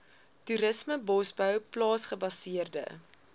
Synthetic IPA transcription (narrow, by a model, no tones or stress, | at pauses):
tuɾəsməbɔsbœwplɑːsχəbɐsiərdə̰